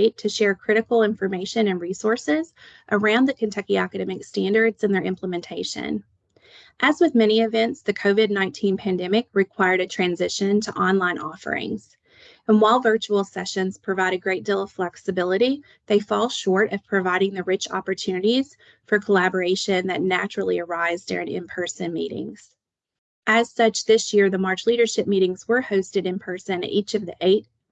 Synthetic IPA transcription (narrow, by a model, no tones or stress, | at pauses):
ɪtʰɨʃɛɹkʰɹ̥ɪɾɨkl̩ˠɪ̃ɱfə˞meɪʃɨ̃nɨ̃nɹisɔɹsɪz̥ʔə˞ãʊ̃nðɨkʰɨ̃ntʰɛkiækɨɾɛmɨkstæ̃ndə˞dz̥ɨ̃nðə˞ʔɪ̃mpʰləmɨ̃ntʰeɪʃɨ̰̃n | ʔɨzwɨðmɛñiɨvɛ̃ntsðɨkʰoʊvɨdⁿnãɪ̃ntʰĩnpʰæ̃ndɛmɨk̚ɹɨkʰw̥aɪə˞ɾɨtʰɹ̥æ̃nzɪʃɨ̃ntʰəʔɑ̃nlãɪ̃nʔɔfə̰˞ɪ̰̃ŋz̥ | ɨ̃nwaɪlˠvɜ˞t͡ʃul̩ˠsɛʃɨ̃nz̥pʰɹ̥ɨvaɪɾɨɡɹeɪt̚d̥ilˠʌv̥flɛksɨbɪlˠəɾi | ðeɪfɔlˠʃɔɹɾʌv̥pʰɹ̥ɨvaɪɾɪ̃ŋðɨɹɪt͡ʃɑ̰pə˞tʰʉnɨɾiz̥ | fə˞kʰəlæbə˞eɪʃɨ̃nðɨtⁿnæt͡ʃɹl̩ˠiə˞aɪzdɪ̰ɹɪ̃ŋɨ̰̃mpʰɜ˞sɨ̃nmḭɾɪ̰̃ŋz̥ | ʔɨz̥sʌt͡ʃðɪsjɪɹðəmɑɹt͡ʃliɾə˞ʃɪp̚miɾɪ̃ŋzwə˞hoʊstɨɾɨ̃npʰɜ˞sɨ̃nɨ̰ɾʔit͡ʃʌvðiʔeɪt̚